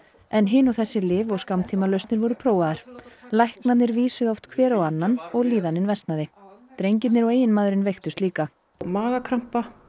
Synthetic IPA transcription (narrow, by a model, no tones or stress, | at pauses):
ɛnɦɪnawθɛsːɪlɪːvɔɣskamt̪ʰiːmalœɥst̪nɪɾvɔɾʏpʰɾoːwaðaɾ̥lajhknat̪nɪɾviːsʏɣawft̪kʰvɛːɾawanːanɔɣliːðanɪnvɛst̪naðɪt̪ɾejɲcɪt̪nɪɾɔɣeːjɪnmaːðʏɾɪnvejxt̪ʏst̪liːka | maːɣakʰɾam̥pa